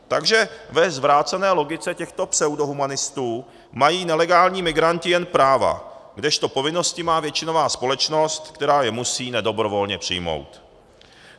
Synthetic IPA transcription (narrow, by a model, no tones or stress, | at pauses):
t̪aɡʒɛvɛzvɾaːt͡sɛnɛːlo̞ɡɪt͡sɛcɛxt̪opsɛwdo̞ɦumanɪst̪uː | majiːnɛlɛɡaːlɲiːmɪɡɾancɪjɛnpɾaːva̰ɡdɛʃt̪o̞po̞vɪno̞scɪmaːvjɛt͡ʃɪno̞vaːspo̞lɛt͡ʃno̞st̪kt̪ɛɾaːjɛmusiːnɛdo̞bɾo̞vo̞lɲɛpr̝̥ɪ̰jmo̞̰wt̪